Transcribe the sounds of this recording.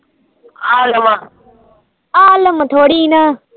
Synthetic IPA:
aːləma | aːləmət̪ʰoːɽiːna

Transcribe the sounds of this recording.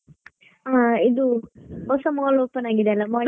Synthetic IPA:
aid̪uɦɔsɐmoloːpɐnaːɡid̪eɐlːɐmoː

